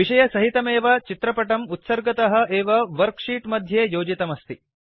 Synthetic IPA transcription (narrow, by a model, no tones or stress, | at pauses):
ʋiʂɐjɐsɐɦit̪ɐmeːʋɐt͡ʃit̪ɾɐpɐʈɐmut̪sɐɾɡɐt̪ɐɦɐ̆eːʋɐʋɐɾkʂiːʈmɐd̪ʱjeːjoːd͡ʒit̪ɐmɐst̪i